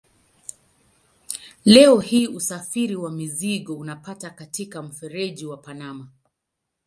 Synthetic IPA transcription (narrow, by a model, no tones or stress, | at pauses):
lɛɔhiːʔusafiɾiwamiziɠɔunapatakatikam̩fɛɾɛʄiwapanama